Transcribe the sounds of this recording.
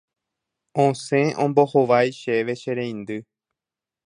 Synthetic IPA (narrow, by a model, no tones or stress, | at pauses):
õsẽ̞ʔõmbohoʋajʃeʋe̞ʃeɾẽj̃nd̪ɨ